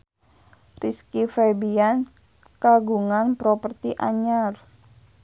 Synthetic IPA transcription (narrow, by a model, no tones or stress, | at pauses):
riskifɛbian | kaɡuŋanpɾɔpərt̪iʔa̰ɲar